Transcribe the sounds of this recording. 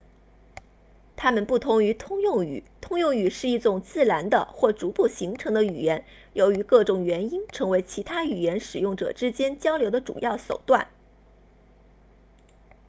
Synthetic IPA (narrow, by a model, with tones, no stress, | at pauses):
t̪ʰa˥mə˨npu˥˩t̪ʰʊ˧˥ŋy˧˥t̪ʰʊ˥ŋjʊ˥˩ŋy̰˨˩˦t̪ʰʊ˥ŋjʊ˥˩ŋy˨˩ʂɻ̩˥˧i˥˩ʈ͡ʂʊ˥˩ŋt͡sɹ̩˥˩la˧˥nd̪ə̰˧xwɔ˥˩ʈ͡ʂu˧˥pu˥˩ɕi˧˥ŋʈ͡ʂʰɤ˧˥ŋd̪ə˧y̰˨˩jɛ˧˥n | jo˧˥ʊy˧˥kɤ˥˩ʈ͡ʂʊ˨˩ŋɥɛ˧˥ni˥nʈ͡ʂʰɤ˧˥ŋwe˧˥ɪt͡ɕʰi˧˥t̪ʰa˥y˨˩jɛ˧˥nʂɻ̩˨˩jʊ˥˩ŋʈ͡ʂɤ̰˨˩ʈ͡ʂɻ̩˥t͡ɕjɛ˥nt͡ɕjɑ˥ʊljo˧˥ʊd̪ə˧ʈ͡ʂṵ˨˩jɑ˥˩ʊʂo˨˩ʊt̪wa˥˩n